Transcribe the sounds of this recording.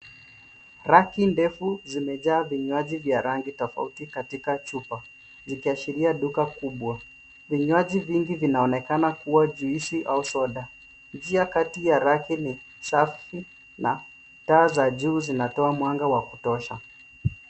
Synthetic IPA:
ɾakindɛfuzimɛʄaːviɲwaʄivjaɾaŋɡitɔfa̰utikatikat͡ʃupa | zikiaʃiɾiaɗukakuɓwa | viɲwaʄiviŋɡivinaɔnɛkanakuwaʄuiʃiʔausɔɗa | nd͡ʒiakatijaɾakini | safi | na | taːzaʄuːzinatɔamwaŋɡawaku̥tɔʃa

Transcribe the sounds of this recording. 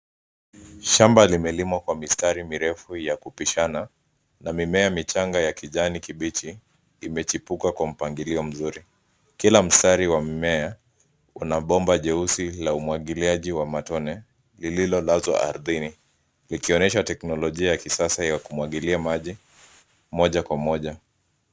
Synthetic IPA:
ʃambalimɛlimwakwamistaɾimiɾɛfujakupiʃana | namimɛamit͡ʃaŋɡajakiʄanikiɓit͡ʃiː | mɛt͡ʃipukakwam̩paŋɡiliɔm̩zuɾi | kilam̩staɾiwamimɛa | unaɓɔmbaʄɛusilaumwaɠiliaʄiwamatɔnɛ | lililɔlazwa̰ʔa̰ɾðini | likiɔnɛʃatɛknɔlɔʄiajakisasajakumwaɠiliamaʄi | mɔʄakwamɔʄa

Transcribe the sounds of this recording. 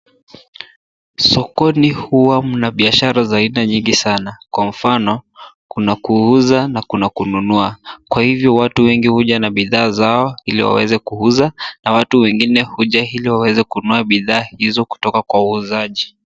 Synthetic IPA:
sɔkɔnihuwam̩naɓiaʃaɾazainaɲiŋɡisanakwam̩fanɔkunakuuzanakunakununuakwahivjɔwatuwɛŋɡihuʄanaɓiðaːzaɔhilḭwa̰wɛ̰zɛkuhuzanawatuwɛŋɡinɛhuʄahiliwawɛzɛkunuaɓiðaːhizɔku̥tɔkakwauuzaʄi

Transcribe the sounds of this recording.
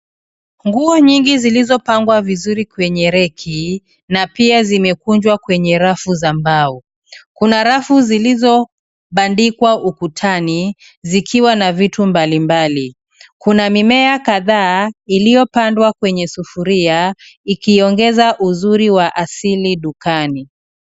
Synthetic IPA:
ŋɡuɔɲiŋɡizilizɔpaŋɡwavizuɾikwɛɲɛɾɛkʰi | napiazimɛkuɲd͡ʒwakwɛɲɛɾafuzambau | kunaɾafuzilizɔ | ɓandikwaʔukutʰani | zikʰiwanavitumbalimbali | kunamimɛakaðaːilijɔpandwakwɛɲɛsufuɾiaikiɔŋɡɛzaʔuzuɾiwaʔasiliɗukani

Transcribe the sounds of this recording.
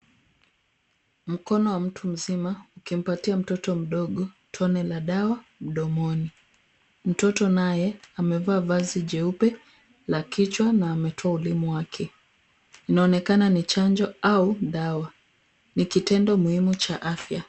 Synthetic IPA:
m̩kɔnɔwam̩tʰum̩zimaukim̩patiam̩tɔtɔm̩ɗɔɠɔ | tʰɔnɛlaɗawam̩ɗɔmɔni | m̩tɔtɔnajɛamɛvaːvaziʄɛupɛ | lakit͡ʃwanaːmɛtʰɔaulimuwakʰɛ | inaɔnɛkananit͡ʃand͡ʒɔauɗawa | nikitɛndɔmuhimut͡ʃaʔafja

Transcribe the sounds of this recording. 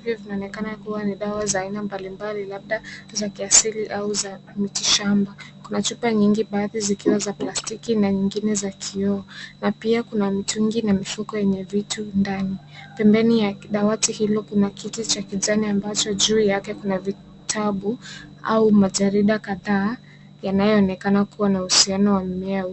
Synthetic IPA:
ivjɔvinaɔnɛkanakuwaniɗawazaːinambalimbalilaɓ̚ɗazakiasiliʔauzamitiʃambakunat͡ʃupaɲiŋɡiɓaːðizikiwazaplastikinaɲiŋɡinɛzakʰiɔnapiakunamituŋɡinamifukɔjɛɲɛvitundani | pɛmbɛnijaɗawatihilɔkunakitit͡ʃakizaniambat͡ʃɔʄuːjakɛkunavi | tʰaɓu | a̰umaʄaɾiɗakaðaː | janajɔːnɛkanakuwanauhusianɔwammɛa

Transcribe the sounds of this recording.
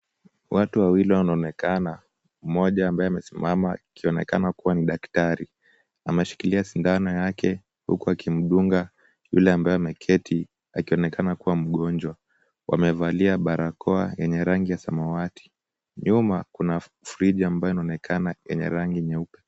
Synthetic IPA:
watuwawiliwanaɔnɛkana | m̩mɔʄaːmbaɛamɛsimamakʰiɔnɛka̰nakuwaniɗaktaɾi | amɛʃi̥kiliasindanɔjakʰɛ | hṵkuakim̩ɗuŋɡa | jṵlɛambajɛamɛkʰɛtʰi | a̰kiɔnɛkʰanakuwam̩ɠɔnd͡ʒwa | wʔa̰mɛvaliaɓaɾakʰɔa̰jɛɲɛɾaŋɡijasamawatʰi̥ | ɲumakuna | fuɾiʄaːmbajɔinaɔnɛkʰanajɛ̰ɲɛ̰ɾaŋɡiɲɛupɛ̥

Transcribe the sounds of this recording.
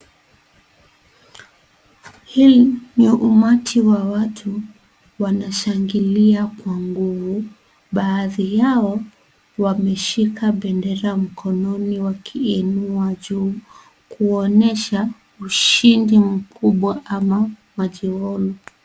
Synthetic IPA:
hiliniʔumatʰiwawatʰu | wanaʃaŋɡiliakwaŋɡuvu | ɓaːðijaɔ | wamɛʃikaɓɛndɛɾam̩kʰɔnɔniwakʰiɛnuaʄuː | kuɔnɛʃa | uʃindim̩kʰuɓwaʔamamaʄiwɔlu

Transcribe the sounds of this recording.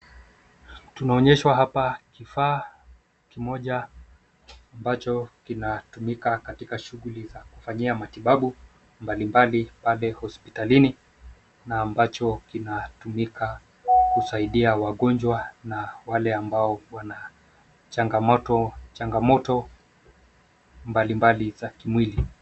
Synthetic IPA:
tunaɔɲɛʃwaɦapakifaː | kimɔʄa | mbat͡ʃɔkinatumikakatikaʃuɣulizaku̥faɲiamatiɓaɓu | mbalimbalipalɛhɔspitalini | naːmbat͡ʃɔkinatumika | kusaiɗiawaɠɔnd͡ʒwanawalɛambaɔwana | t͡ʃaŋɡamɔtɔt͡ʃaŋɡamɔtɔ | mbalimbalizakimwili

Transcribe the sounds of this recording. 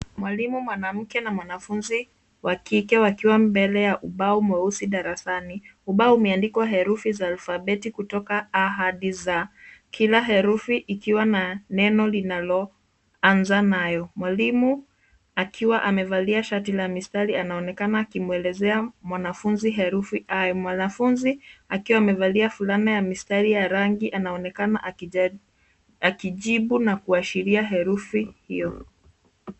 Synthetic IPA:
mwalimumwanam̩kɛnamwanafunzi | wakikɛwakiwambɛlɛjaʔuɓaumɛusiɗaɾasaniuɓaumɛandikɔwaɦɛɾufizaːlfaɓɛtikutɔkaːɦaɗizakʰilaɦɛɾufiʔːkiwananɛnɔlinalɔ | anzanajɔmwalimu | akʰiwaʔamɛvaliaʃatilamistaɾianaɔnɛkanaːkimuɛlɛzɛamwanafunziɦɛɾufiʔajɔmwanafunziakiwaːmɛvaliafulanajamistaɾijaɾaŋɡiʔanaɔnɛkana̰ʔ | akiʄiɓunakuaʃiɾiaɦɛɾufihijɔ

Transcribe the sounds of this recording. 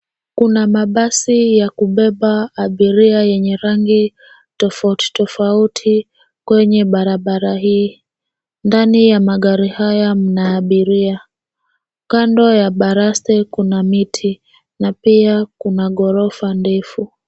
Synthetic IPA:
kunamaɓasijakuɓɛɓaːɓiɾiajɛɲɛɾaŋɡi | tɔfauti̥tɔfautʰi | kwɛɲɛɓaɾaɓaɾahiː | ndanijamaɠaɾihajam̩naːɓiɾia | kandɔjaɓaɾastɛkunamitʰi | napiakunaɠɔɾɔfandɛfu

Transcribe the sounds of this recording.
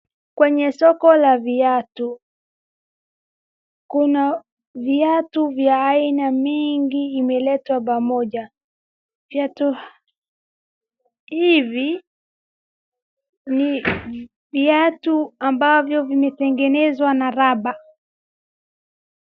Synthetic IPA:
kwɛɲɛsɔkɔlaviatu | kuna | viatuvjaːinamiŋɡiːmɛlɛtwap̬amɔʄa | viatu | hivi | ni | viatuambavjɔvimɛtɛŋɡɛnɛzwanaɾaɓa

